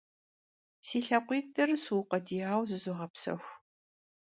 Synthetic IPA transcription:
siːɬɐqʷiːtʰʼɐrsuwqɐdiːaːwzɨzuʁɐpsɐ̰xʷ

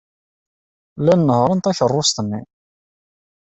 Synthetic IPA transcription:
lænːəhɾˤənt̪æçərˤːʊst̪ənːḭ

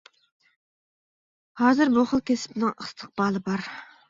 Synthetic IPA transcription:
hɑːzɨɾbuχəlˠkʲʰesɪ̥pɪnɪŋəst̪ʰə̥q̚bɑːlˠɨbɑɾ

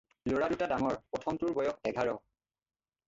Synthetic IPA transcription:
loɹadutadaŋɔɹpɔtʰɔmtuɹbɔjɔk̚ɛɡʱaɹɔ

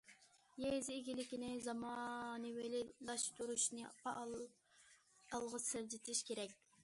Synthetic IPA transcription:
jezɪːɡʲilɪkʲinɪzɑmɑnɨwelɪlɑʃt̪uɾuʃnɨpɑ | ɑlˠʁɑsɪɾd͡ʒɪt̪ʰɪʃkʲʰeɾɛk̚ʲ

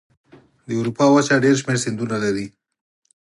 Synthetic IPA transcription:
d̪əwɾupɑwat͡ʃaɖeɾʃ̬meɾsɪnd̪unalaɾi

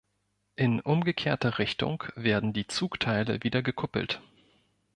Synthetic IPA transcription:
ʔɪnʔʊmɡəkʰeːɐtɐʁɪçtʊ̰ŋkv̥eːɐdn̩diːt͡suːktʰaɪlə̰viːdɐɡəkʰʊpl̩t

